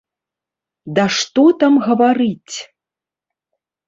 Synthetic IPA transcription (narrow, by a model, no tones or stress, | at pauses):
d̪ɐʂt̪ɔt̪amɣɐvaɾɨt͡sʲ